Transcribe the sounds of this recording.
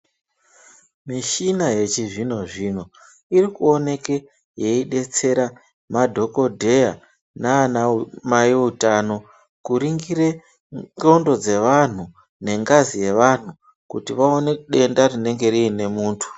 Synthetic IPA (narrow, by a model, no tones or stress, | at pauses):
miʃinaje̞t͡ʃiʐino̞ʐino̞ | iɾikuo̞ne̞ke | je̞iɗe̞t͡se̞ɾa | madʱo̞ko̞dʱe̞ja | naːnamajiutano̞ | kuɾiŋɡiɾe̞ | ɡo̞ndo̞d͡ze̞ʋan̤u | ne̞ŋɡazije̞ʋan̤u | kutiʋao̞ne̞ɗe̞ndarine̞ŋɡe̞ɾiine̞muːntʰu̥